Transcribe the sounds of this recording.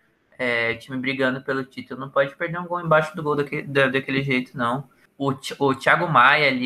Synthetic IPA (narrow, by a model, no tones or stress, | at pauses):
ɛʊt͡ʃĩmɪbɾiɡɐ̃nd̪ʊpelʊt͡ʃit̪ʊlʊnɐ̃w̃pɔd͡ʒɪpeɾd̪eɾũɡowẽbajʃʊd̪ʊɡowd̪aked̪d̪akelɪʒejt̪ʊ̥nɐ̃w̃ | ʊt͡ʃʊt͡ʃiaɡʊmajɐli